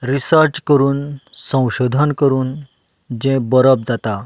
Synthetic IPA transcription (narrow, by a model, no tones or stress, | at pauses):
ɾisəɾʈkəɾuːnsə̃w̃ɕod̪ʱənkəɾuːn | d͡ʑɛ̃bəɾəp̚d͡zat̪a